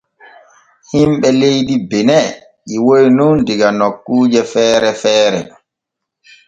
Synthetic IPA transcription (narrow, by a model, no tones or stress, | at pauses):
himɓɛlejdibɛnɛ | ʔiwojnundiɡanokːuːd͡ʒɛfɛːɾɛfɛːɾɛ̰